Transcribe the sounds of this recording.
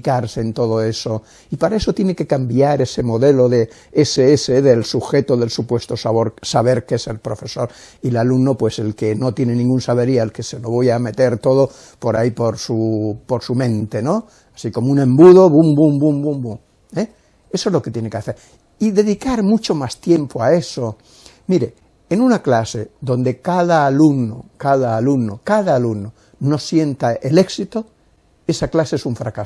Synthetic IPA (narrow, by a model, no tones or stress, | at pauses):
kaɾse̞ːnt̪o̞ð̞oe̞so̞ | ipaɾaesot̪jeneke̞kambjaɾe̞se̞mo̞ðe̞lo̞ðe | eseeseðelsuxe̞t̪oðe̞lsupwe̞st̪osaβo̞ɾsaβe̞ɾkeese̞lpɾo̞fe̞so̞ɾ | ilalumnopwe̞se̞lkeno̞t̪jenenĩŋɡunsaβeɾialkese̞lo̞βojame̞t̪e̞ɾt̪o̞ðo | po̞ɾa̰ipo̞ɾsupoɾsumẽ̞nt̪e̞no | asiko̞mounẽ̞mbuðo̞βumbumbumbumbuŋ | e | e̞soezlo̞ket̪je̞nekeaθe̞ɾ | iðe̞ðikaɾmut͡ʃo̞mast̪je̞mpoae̞so | miɾe | enũnaklase̞ðõ̞nd̪e̞kaðaːluno̰kaðaːlunokaðaːluno | no̞sje̞nt̪aʔele̞ksit̪o̞ | e̞saklaseesuɱfɾakaso